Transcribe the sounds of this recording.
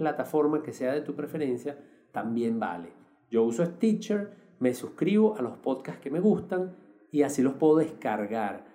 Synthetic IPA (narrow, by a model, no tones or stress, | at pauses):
plat̪afo̞ɾmake̞se̞aðe̞t̪upɾe̞fe̞ɾe̞nsja | t̪ambje̞mba̰le̞̰ | d͡ʒo̞usoest̪it͡ʃeɾ | me̞suskɾiβo̞ʔalo̞spo̞ðkaske̞me̞ɣust̪aŋ | iasilo̞spwe̞ðoðeskaɾɣaɾ